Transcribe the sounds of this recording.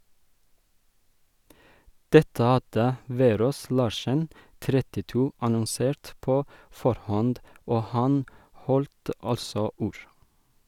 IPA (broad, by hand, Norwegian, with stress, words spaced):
ˈdɛtə ˈɑdə ˈʋeːˌɾoːs ˈlɑːʃən ˈtɾɛtɪˌtuː ɑnɔnˈseːɾt ˈpoː ˈfɔɾˌhɔnd ˈoː ˈhɑn ˈhɔlt ˈɑlsɔ ˈuːɹ